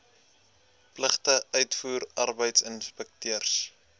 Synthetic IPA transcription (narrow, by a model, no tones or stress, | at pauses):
pləχtəœɥtfuːɾɐrbəjtsənspɛk̚tyərs